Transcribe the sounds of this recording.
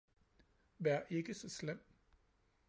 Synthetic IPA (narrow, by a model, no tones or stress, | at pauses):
ʋæɐ̰ʔe̝ɡ̥əsɒ̽slem̰